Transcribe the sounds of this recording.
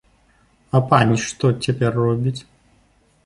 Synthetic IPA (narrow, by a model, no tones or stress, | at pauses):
ɐpanʲiʂt̪ɔt͡sʲapʲɛrːɔbʲit͡sʲ